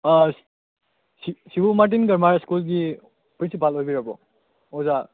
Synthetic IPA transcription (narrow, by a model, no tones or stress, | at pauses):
sisibumaɾt̬inɡɐɾmaɾskulɡi | pɾinsipalojbiɾabɔ̰ | ɔza